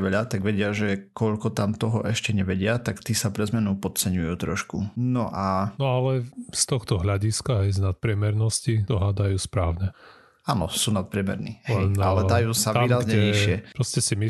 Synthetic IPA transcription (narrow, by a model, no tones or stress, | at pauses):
ʋɛʎat̪aɡʋɛɟɪaʒɛkɔʎkɔt̪amt̪ɔɦɔʔɛʃcɛɲɛʋɛɟɪat̪akt̪iːsapɾɛzmɛnupɔt͡sɛɲujuːt̪ɾɔʃkunɔʔanɔalɛst̪ɔxt̪ɔɦʎaɟiskaɦɛjznat̪̚pɾɪɛmɛɾnɔscit̪ɔɦad̪ajuːspɾaːʊɲɛ | aːnɔ̰suːnat̪̚pɾɪɛmɛ̰ɾniːɦlɛɛnalɛd̪ajuːsaʋiːɾazɲɛɲiʃɪɛpɾɔscɛsimi